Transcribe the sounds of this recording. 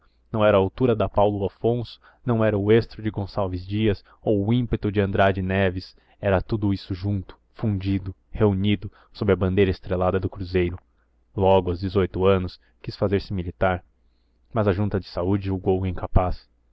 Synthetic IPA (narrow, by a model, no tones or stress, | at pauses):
nɐ̃w̃ɛɾɐːawt̪uɾɐd̪ɐpawlʊafõsʊ̥ | nɐ̃w̃ɛɾɐʊest̪ɾʊd͡ʒɪɡõsawvɪzd͡ʒiɐs | owʊĩpet̪ʊd͡ʒɪɐ̃nd̪ɾad͡ʒɪnɛvɪs | ɛɾɐt̪ud̪ʊisʊʒũnt̪ʊ̥ | fũd͡ʒid̪ʊ | heunid̪ʊ | sobɾɪɐbɐ̃nd̪ejɾɐɪst̪ɾelad̪ɐd̪ʊkɾuzejɾʊ | lɔɡʊawzd͡ʒɪzojt̪ʊɐ̃nʊs | kisfazeɾsɪmilit̪aɾ | mɐzɐʒũnt̪ɐd͡ʒɪsaud͡ʒɪuɡowĩŋkapas